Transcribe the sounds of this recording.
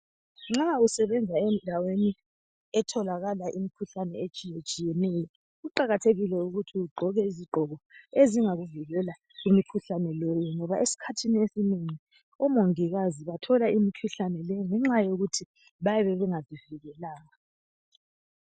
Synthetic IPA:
ŋ͡ǁausɛβɛnd͡zʱaɛndʱaweni | ɛtʰɔlaɣalaʔimikʰuɬanɛet͡ʃʼijet͡ʃʼijɛnɛjɔ | ɣuǃaɣatʰeɣilɛuɣutʰiuɡ͡ǃʱɔɣɛiziɡ͡ǃʱɔɣɔeziŋaɣuviɣɛla | ɣimikʰuɬanɛlɔjɛŋɔβaʔesi̥kʰatʰiniesineŋi | ɔmoŋiɣaziβatʰɔlaimikʰuɬanɛlɛŋɛŋ͡ǁajoɣutʰi | βajɛβɛβɛŋaziviɣɛlaːɣa

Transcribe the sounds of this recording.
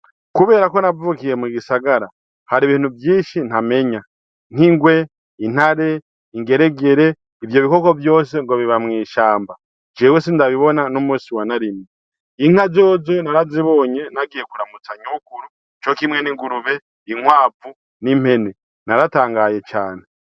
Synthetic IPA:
kuβe̞ːɾako̞navukije̞miɡisaɡaɾa | haɾiβiːn̥uvjiːʃin̥ame̞ɲa | n̥iŋɡwe̞ | in̥haɾe̞ | iŋɡe̞ɾe̞ɡe̞ɾe̞ | ivjo̞βiko̞ko̞vjo̞ːse̞ŋɡo̞βiβamŋiːʃaːmba | d͡ʒewesindaβiβo̞nanomuːsiwanaɾime | iŋ̥azo̞ːzonaɾaziβo̞ːɲe̞naɡije̞kuɾamut͡saɲukuɾu | t͡ʃo̞kimŋe̞niɡuɾuβe̞ | iŋwaːvu | nim̥he̞ne | naɾataːŋɡaːje̞t͡ʃaːne̞

